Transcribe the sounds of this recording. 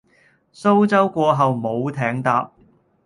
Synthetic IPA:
so˥wt͡sɐ˥wkʷɔː˧ɦɐ˨wmo˨˧wt̪ʰɛː˨˥ŋt̪aː˨p̚

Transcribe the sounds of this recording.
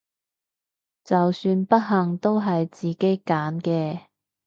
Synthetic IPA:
t͡sɐ˨wsyː˧npɐ˥t̚ɦɐ˨ŋt̪o˥wɦɐ˨jt͡siː˨˩ke˨˥jkaː˨˥nkɛː˧

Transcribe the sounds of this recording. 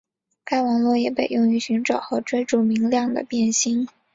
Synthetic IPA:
ka˥ɪwɑ˨˩ŋlwɔ˥˩jɛ˨˩pe˨˩ɪjʊ˥˩ŋy˧˥ɕy˧˥ŋʈ͡ʂɑ˨˩ʊxɤ˧˥ʈ͡ʂwe˥ɪʈ͡ʂu˥˩mi˧˥ŋljɑ˥˩ŋd̪ə̰˩pjɛ˥˩nɕi˥ŋ

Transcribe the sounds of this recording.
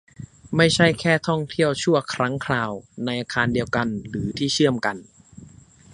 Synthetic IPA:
ma˥˩jt͡ɕʰa˥˩jkʰɛː˥˩t̪ʰɔ˥˩ŋt̪ʰi˥˩əwt͡ɕʰu˥˩ɐkʰɾa˦˥ŋkʰɾaː˧wna˧jʔaː˧kʰaː˧ndi˧əwka˧nɾɯː˩˦t̪ʰiː˥˩t͡ɕʰɯ˥˩əmka˧n

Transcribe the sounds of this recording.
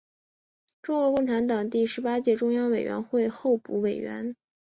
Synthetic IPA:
ʈ͡ʂʊ˥ŋkwɔ˧˥kʊ˥˩ŋʈ͡ʂʰa˧˥nt̪ɑ˨˩ŋt̪i˥˩ʂɻ̩˧˥pa˥t͡ɕjɛ˥˩ʈ͡ʂʊ˥ŋjɑ˥ŋwe˨˩ɪɥɛ̰˧˥nxwe˥˧ɪxo˥˧ʊpṵ˧˥we˨˩ɪɥɛ̰˧˥n

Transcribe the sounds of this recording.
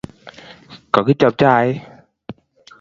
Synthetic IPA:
kɔ˨˦ki˨˦t͡ɕə˨˩m̚t͡ɕɔ˧˦ʔa˧˦j

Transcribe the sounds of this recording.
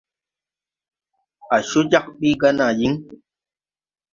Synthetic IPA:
a˨ʃu˦d͡ʒa˦˨k̚ɓi˦ɡa˦na˨ji˦ŋ

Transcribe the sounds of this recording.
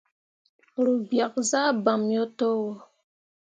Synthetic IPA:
ɾu˨bja˨k̚za˦ba˨mjɔ˦tɔ˦wɔ˨

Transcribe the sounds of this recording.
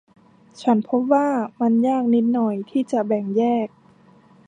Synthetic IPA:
t͡ɕʰa˦˥npʰo˦˥p̚waː˥˩ma˧njaː˥˩k̚ni˦˥t̪̚nɔ˨˩jt̪ʰiː˥˩t͡ɕa˨˩bɛ˨˩ŋjɛː˥˩k̚

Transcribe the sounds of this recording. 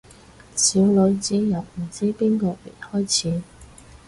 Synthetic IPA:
siː˨˧wlɵ˨˧ɥt͡siː˨˥jɐ˨˩wm̩˨˩t͡siː˥piː˥nkɔː˧mḛ˨˩jhɔː˥jt͡sʰiː˨˧

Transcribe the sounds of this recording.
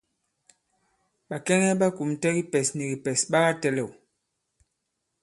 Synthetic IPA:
ɓa˨kɛ˦ŋɛ˦ɓa˦ku˨mtɛ˦ɣi˦pɛ˨sni˨ɡi˨pɛ˨sɓa˦ɣa˦tɛ˦lɛ˦˨w

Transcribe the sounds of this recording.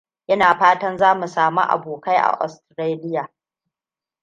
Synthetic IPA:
ʔɪ˦naː˨ɸaː˦tɐ˦nzaː˦mu˨saː˨mṵ˦ʔa̰˨boː˨ka˦jʔa̰˨ʔɔ̰˨stɾeː˦lɪ˦jaː˨

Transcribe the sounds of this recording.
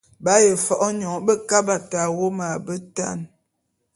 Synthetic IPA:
ba˦je˨fɔ˨ʔɔ˦ɲɔ˨˦bə˦ka˦ba˨ta˨wo˦ma˨bə˦ta̰˦˨n

